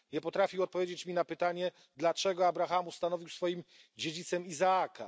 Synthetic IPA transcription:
ɲɛpɔt̪ɾafʲiwɔt̪̚pɔvʲjed͡ʑet͡ɕmʲinapɘt̪aɲɛ | d̪lat͡ʂɛɡɔabɾaxamust̪anɔvʲiwsfɔjim | d͡ʑed͡ʑit̪sɛmizaakʰa̰

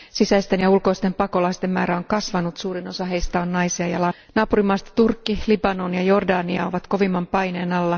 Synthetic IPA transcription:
sisæist̪e̞njɑulko̞ist̪e̞mpɑko̞lɑist̪e̞mːæːɾæo̞ŋkɑsʋɑnut̪suːɾino̞sɑɦejst̪ɑonnɑjsiɑjɑlɑ | nɑːpuɾimːɑːst̪ɑ̥t̪urkːilibɑno̞njɑjo̞rdɑːniɑ̰o̞ʋɑt̪ko̞ʋimːɑmpɑjne̞ːnɑlːɑ

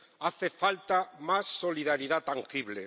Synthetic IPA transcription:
aθefalt̪amasːoliðaɾiðat̪aŋxiβle

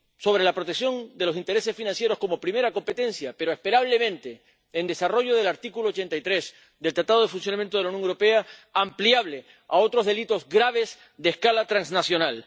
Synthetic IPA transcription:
so̞β̞ɾe̞lapɾo̞t̪eksjo̞nd̪e̞lo̞sint̪eɾe̞se̞sfinãnsje̞ɾo̞sko̞mo̞pɾime̞ɾako̞mpe̞t̪ẽ̞nsjape̞ɾoespe̞ɾaβ̞le̞mẽ̞nt̪e̞ː | nd̪e̞saro̞ʝoðe̞laɾt̪ikuloːt͡ʃe̞nt̪ajt̪ɾe̞s | d̪elt̪ɾat̪aðo̞ð̞e̞funsjonamjent̪oelaunjõŋwɾope̞aːmpljaβle̞ | ao̞t̪ɾo̞zðe̞lit̪o̞zɡɾaβ̞es | d̪eskalat̪ɾanznasjo̞nal

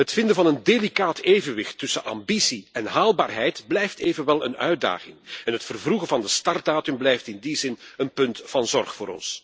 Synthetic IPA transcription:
ɦətfɪndəvɑnəndelikaːtʰeːvənʋɪxtːɵsənʔɑ̰mbisiɛnɦaːlˠbaːrɦɛjtblɛjfteːvənʋɛlˠənœ̰ɥ̚da̰ːɣɪŋɛnɦətfərvluɣəvɑndəstɑrt̚daːtʏmblɛjftɪndizɪnənpɵntfɑnzɔrχfʊːɾɔ̰ns

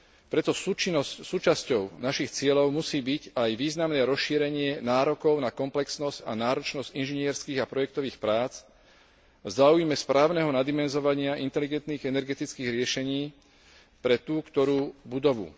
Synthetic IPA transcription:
pɾɛt̪ɔsut͡ʃinɔscsuːt͡ʃascɔʊnaʃixt͡sɪɛlɔʊmusiːbiɟajʋiːznamnɛːɾɔsʃiːɾɛɲɪɛnaːɾɔkɔʊnakɔmplɛksnɔzca̰naːɾɔt͡ʃnɔzcinʒinɪɛɾskiːɣapɾɔjɛk̚t̪ɔʋiːxpɾaːt͡s | vzaːujmɛspɾʔaːʊnɛɦɔnad̪imɛnzɔʋaɲɪaʔint̪ɛliɡɛnt̪niːɣɛnɛɾɡɛt̪it͡skiːɣɾɪɛʃɛɲiː | pɾɛt̪uːkt̪ɔɾuːbud̪ɔʋṵ

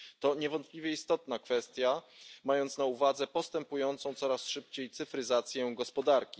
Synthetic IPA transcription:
t̪ɔɲɛvɔnt̪̚plʲivʲjɛist̪ɔt̪nakfɛst̪ʲjamajɔnt̪snauvad̪zɛpɔst̪ɛmpujɔnt̪sɔ̃w̃t̪sɔɾasʂɘp̚t͡ɕejt̪sɘfɾɘzat̪sʲjɛɡɔspɔd̪aɾkʲi

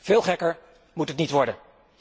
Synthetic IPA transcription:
v̥ɪːlˠχɛkəɹ | mutɦətnitʋɔɹdən

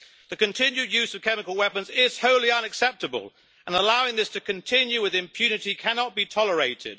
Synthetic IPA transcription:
ðɨkɨ̃ntʰɪ̃njʉdjʉzʌv̥kʰɛmɨkəlˠwɛpə̃nzɪz̥hoʊlˠiʌ̃nɨksɛp̚tɨbə̰lˠ | ʔə̃nəlaʊɪ̃ŋðɪstʰɨkʰɨ̃ntʰɪ̃njʉwɪðɨ̃mpʰj̥ʉnɨtikʰænɑt̚b̥itʰɒlˠəɹeɪtɪ̰d̥

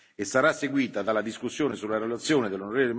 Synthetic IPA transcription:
esːaɾasːeɡwiːt̪ad̪alːad̪iskusːjoːnesulaɾelat̪sːjoːned̪elːonoɾeːvolem

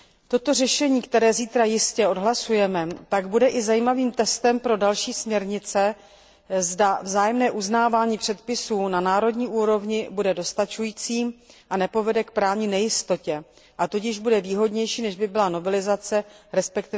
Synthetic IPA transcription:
t̪o̞t̪o̞rɛʃɛɲiːkt̪ɛɾɛːziːt̪ɾajɪscɛo̞dɦlasujɛmɛt̪aɡbudɛʔɪzajiːmaviːmt̪ɛst̪ɛmpɾo̞dalʃiːsmɲɛɾɲɪt͡sɛ | zdavzaːjɛmnɛːʔuznaːvaːɲiːpr̥ɛt̪̚pɪsuːnanaːɾo̞dɲiːʔuːɾo̞vɲɪbudɛdo̞st̪at͡ʃujiːt͡siːmʔanɛpo̞vɛdɛkpɾaːvɲɪnɛjɪst̪o̞cɛ | ʔat̪ocɪʒbudɛviːɦo̞dɲɛjʃiːnɛʒbɪbɪlano̞vɛlɪzat͡sɛɾɛspɛkt̪ɪ

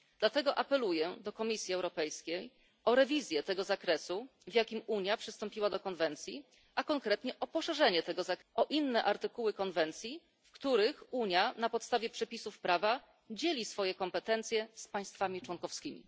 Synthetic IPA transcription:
d̪lat̪ɛɡɔʔapɛlujɛd̪ɔkɔmʲisʲjiɛwɾɔpɛjskʲej | ɔɾɛvʲizʲjɛt̪ɛɡɔzakɾɛsuvjakʲimuɲjapʂɘst̪ɔmpʲiwad̪ɔkɔnvɛnt̪sʲji | ʔakɔŋkɾɛt̪ɲɛʔɔpɔʂɛʐɛɲɛt̪ɛɡɔzakʔɔʔinːɛʔaɾt̪ɘkuwɘkɔnvɛnt̪sʲji | fkt̪uɾɘxuɲjanapɔt̪st̪avʲjɛpʂɛpʲisufpɾava | d͡ʑelʲisfɔjɛkɔmpɛt̪ɛnt̪sʲjɛspaj̃st̪famʲit͡ʂwɔŋkɔfskʲimʲḭ

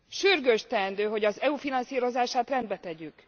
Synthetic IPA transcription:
ʃyrɡøʃt̪ɛːnd̪øːɦo̞ɟɒzɛufinɒnsiːɾo̞zaːʃaːt̪rɛnd̪bɛt̪ɛɟyk

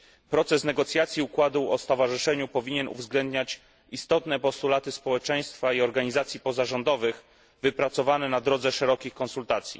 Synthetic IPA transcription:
pɾɔt̪sɛsnɛɡɔt̪sʲjat̪sʲjiukwad̪uɔst̪ɔvaʐɘʂɛɲupɔvʲiɲɛnʔṵvzɡlɛnd̪ɲat͡ɕ | ist̪ɔt̪nɛpɔst̪ulat̪ɘspɔwɛt͡ʂɛj̃st̪faiɔɾɡaɲizat̪sʲjipɔzaʐɔnd̪ɔvɘx | vɘpɾat̪sɔvanɛnad̪ɾɔd̪zɛʂɛɾɔkʲixkɔnsult̪at̪sʲjḭ

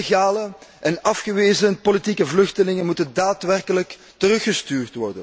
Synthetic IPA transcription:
ɣaːləʔɛnɑfxəʋeːzənpolitikəvlɵxtəlɪŋənmutəndaːtʋɛrkələk | təɾɵxəstyːrtʋɔrdə̰n

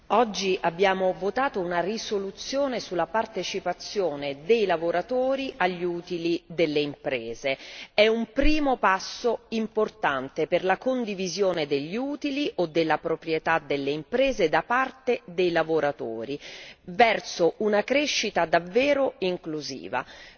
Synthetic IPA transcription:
ɔd͡ʒːiʔabːjaːmovot̪aːt̪ounarisolut̪sːjoːnesulːapart̪et͡ʃipat̪sːjoːned̪ejlavoɾat̪oːɾiʔaʎːuːt̪ilid̪elːeimpɾeːzeɛumpɾiːmopasːoimport̪ant̪eperlakond̪ivizjoːned̪eʎːiuːt̪iliʔod̪ːelːapɾopɾjet̪ad̪elːeimpɾeːzed̪apart̪ed̪ejlavoɾat̪o̰ːɾivɛrsoʔunakɾeʃːit̪ad̪avːɛːɾoiŋkluzḭːva̰

